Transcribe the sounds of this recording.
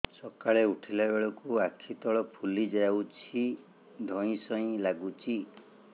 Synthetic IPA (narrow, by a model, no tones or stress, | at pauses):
sɔkaɭeuʈʰilabeɭɔkuakʰit̪ɔɭɔpʰulid͡ʒajawt͡ʃʰi | d̪ʱɔ̃ĩsɔ̃ĩlaɡut͡ʃʰi